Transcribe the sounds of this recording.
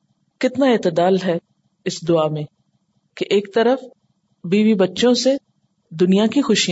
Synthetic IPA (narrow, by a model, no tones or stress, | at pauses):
kɪt̪naeːt̪əd̪aːlɦɛ | ɪsd̪ʊaːmẽ | keʔeːk̚t̪ɐɾəf | biːbibɐtːʃõse | d̪ʊnijakixʊʃij